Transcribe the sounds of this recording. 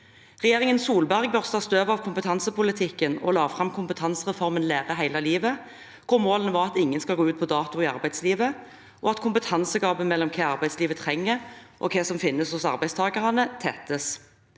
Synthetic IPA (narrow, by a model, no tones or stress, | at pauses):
ʁɛjeːʁɪŋənsuːlbæʁɡ̚bœʁst̪ɑst̪øːʋɑʋkʰʊmpət̪ʰɑnsəpʊlɪt̪ʰɪkːənɔ̰lɑːʋfʁɑmkʰʊmpət̪ʰɑnsʁɛfɔʁmənleːʁəɦæɪlɑliːʋə | kʰʊʁmoːlənʋɑːʁɑt̪ɪŋːənskɑlɡoːʉːt̪̚pʰɔd̪ɑːt̪ʊɪːɑʁbæɪ̥sliːʋə | ʔɔɑt̪kʰʊmpət̪ʰɑnsəɡɑːbəmɛlːɔmkʰeːɑʁbæɪsliːʋət̪ʰʁɛŋːəɾʔɔ̰kʰeːsɔmfɪnːəshʊsɑ̰ʁbæɪst̪ʰɑːɡɑʁɑnət̪ʰɛt̪əs